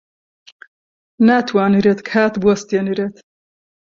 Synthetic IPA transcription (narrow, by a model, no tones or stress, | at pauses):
naːt̪ʰwaːniɾet̪kʰaːt̪bwɐst̪eniɾeːt̪